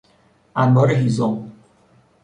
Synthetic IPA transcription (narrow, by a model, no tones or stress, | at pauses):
ʔænbɒːɾeɦizom